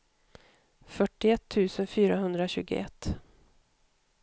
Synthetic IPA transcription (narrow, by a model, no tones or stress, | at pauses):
fœʈːɪɛt̪ʰːʉ̟ːsənfyːɾaɦɵnd̪ɾaɕʉ̟̰ːɡʊ̰ʔɛ̰t̪ː